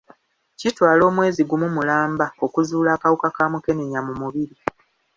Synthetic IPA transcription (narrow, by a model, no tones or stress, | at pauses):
citwaːlo̞ːmwe̞ːziɡumumulaːmbao̞kuzuːlaːkawukakaːmuke̞ne̞ɲamumuβiɾi